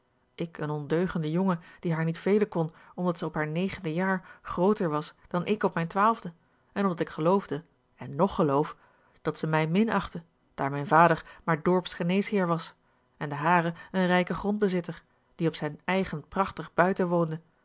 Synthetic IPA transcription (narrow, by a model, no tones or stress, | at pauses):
ɪkənɔndøɥχəndəjoŋəd̥iɦaːɹnitfejlənkɔn | ɔmdɑtsəɔpɦaːɹnejχəndəjaːɹχrowtəɹʋɑsd̥ɑnʔɪkɔpmɛjntʋaːlˠvdə | ɛnɔmdɑtɪkχəlowvdə | ɛnːɔχəlowf | d̥ɑtsəmɛjmɪnɑχtə | d̥aːɹmɛjnvaːdəɹmaːɹdɔɹpsχənejsɦɪːɹʋɑs | ɛndəɦaːrəənrɛjkəχrɔnd̚bəzɪtəɹ | d̥iɔpsɛjnɛjχənprɑχtəχbœɥtəʋowndə